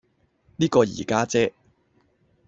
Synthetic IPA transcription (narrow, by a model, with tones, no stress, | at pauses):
niː˥kɔː˧jḭː˨˩kaː˥t͡sɛː˥